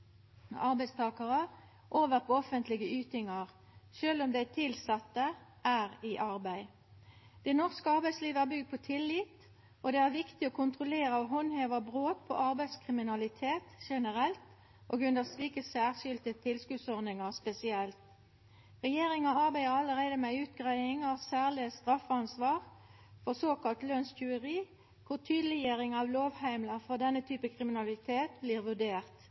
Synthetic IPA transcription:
ɑʁbæɪst̪ʰɑːkəʁə | ʔoːʋəʁpʰɔɔfənt̪lɪɡəʉːt̪ɪŋɑʁ | ʃøːlɔmd̪æt̪ʰɪlsɑt̪ːəʔæːʁiʔɑʁbæɪ | d̪̥ɛnɔʁskəɑʁbæɪsliːʋəæʁbʏɡd̪̚pʰɔt̪ʰɪlːɪt̪ | ɔd̪ɛæʁʋɪkt̪ɪoːkʰʊnt̪ʁʊleːʁəɔɦɔnheːʋɑbʁoːt̪̚pʰɔ̰ʔɑʁbæɪskʰʁɪmɪnɑlɪt̪ʰeːt̪ʃɛnəʁɛlt̪ | ʔo̰ːɡʉnd̪əʁsliːkəsæːʁʃʏlt̪ət̪ʰɪlskʉːd̪sɔʁd̪ɪŋɑʁspɛsɪɛlt̪ | ʁɛjeːʁɪŋɑɑʁbæɪəʁɑləʁæɪd̪əmɛʉːt̪ɡʁæɪɪŋɑʋsæːʁlɪəst̪ʁɑfɑnsʋɑːʁ | fɔʁsoːkɑlt̪lœnsçʉːəʁiː | kʰʊʁt̪ʰyːd̪lɪjøːʁɪŋɑʋloːʋhæɪmləfɔʁd̪ɛnːət̪ʰyːpəkʰʁɪmɪnɑlɪt̪ʰeːt̪bliːʁʋʉɖeːʁt̪

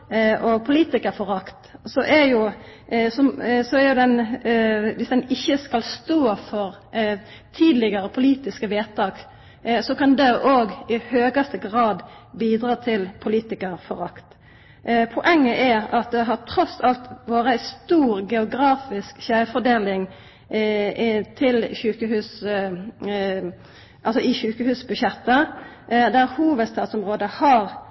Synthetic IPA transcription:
ʔɔpʰʊliːt̪ɪkəɾfɔɾɑkt̪sɔʔɛjʊsɔsɔæɾjʊd̪ɛn | ʋɪsd̪ɛnɪçːəskɑlst̪oːfɔɾ | t̪ʰiːd̪lɪɡəɾəpʰʊliːt̪ɪskəʋeːt̪ɑːk | sɔkɑnd̪ɛʔoːɡɪhøːɡɑst̪əɡɾɑːd̪ | biːd̪ɾɑːt̪ʰɪlpʰʊliːt̪ɪkəɾfɔɾɑkt̪ | pʰʊʔɛŋːəʔæʁɑt̪̚d̪ɛɦɑʁʈ̪ʰɾɔsɑlt̪ʋoːɾəæɪst̪uːʁɡɛʊɡɾɑːfɪskʃæfɔd̪eːlɪŋ | t̪ʰɪlɕʉːkəhʉːs | ʔɑlsɔɪʃʉːkəhʉːsbʉʃɛt̪ːə | d̪æʁhuːʋəd̪st̪ɑːt̪sɔmʁoːd̪əhɑʁ

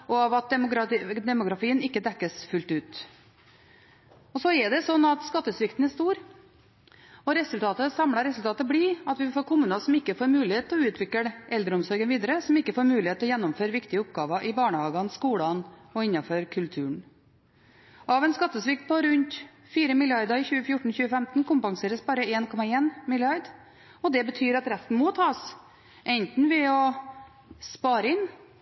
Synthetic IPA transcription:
ɔɑʋɑt̪̚ɛʊd̪ɛmʊɡɾɑfiːənɪkːəd̪ɛkːəsfʉlt̪ʉːt̪ | ɔsɔɛɖ̪ɛsɔnːɑt̪skɑt̪ːəsʋɪkt̪n̩æʂt̪uːɾ | ɔɾɛsʉlt̪ʰɑːt̪əsɑmɽɑɾɛsʉlt̪ʰɑːt̪əbɽiːɑt̪ʋɪfoːɾkʰʊmʉːnɑsɔmɪkːəfoːɾmʉːlɪheːt̪ʰːlɔʉːt̪ʰʋɪkəʔɛld̪ɾəʊmsɔɾɡənʋiːd̪əɾəsɔmɪkːəfoːɾmʉːlɪhet̪ʰːlɔjɛnːɔmføːɾʋɪkt̪ɪəʊpɡɑːʋɑʔɪbɑːɳəhɑːɡɑnskuːɽɑnɔɪnːɑfɔɾkʰʉlt̪ʰʉːɳ | ɑʋɛnskɑt̪ːəsʋɪk̚t̪̚pʰɔɾʉnt̪ | fiːɾəmɪlɪɑɾd̪ɑɾɪçʉːəfjʊʈːɳ̩çʉːəfɛmt̪nkʊmpɑŋseːɾəsbɑːɾəeːnkʰɔmɑeːnmɪlɪɑɾd̪ | ɔd̪ɛbət̪ʰyːɾɑt̪ɾɛst̪n̩mɔt̪ʰɑːs | ʔɛnt̪n̩ʋɪɔ | spɑːɾəɪn

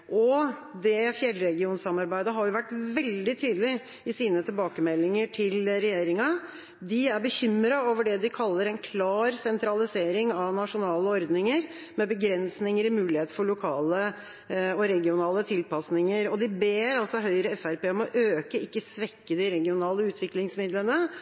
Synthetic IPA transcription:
ʔɔd̪ɛfjɛlːɾɛɡɪuːnsɑmɑɾbæɪd̪əɦɑɾjʊʋæʈːʋɛld̪ɪt̪ʰyːd̪əlɪ | ɪsiːnət̪ʰɪlbɑːkəmɛlːɪŋəʈʰɪlɾɛjeːɾɪŋɑ | d̪ɪæɾbəçʏmɾɑoːʋəɖɛd̪ɪkʰɑlːəɾɛnkʰlɑːɾsɛnt̪ɾɑlɪseːɾɪŋɑʋnɑʂʊnɑːləɔɾd̪nɪŋəɾ | mɛbəɡɾɛnsnɪŋəɾɪmʉːlɪheːt̪fɔɭʊkʰɑːlə | ɔɾɛɡɪʊnɑːlət̪ʰɪlpɑsnɪŋəɾɔd̪ɪbeːɾɑlsɔɦœʏɾəɛfæɾpeːɔmɔʔøːkəɪkːəsʋɛkːəd̪ɪɾɛɡɪʊnɑːləʉːt̪ʰʋɪklɪŋsmɪd̪lənə

